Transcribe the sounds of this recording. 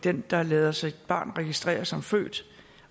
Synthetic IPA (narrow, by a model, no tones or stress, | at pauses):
d̥end̥ɑ̈lɛːð̞ˠɐsɑ̈ɪed̥̚b̥ɑ̰̈ːnʁɛɡ̥isd̥ʁɛ̰ːɐsɒ̽mfø̰ːd̥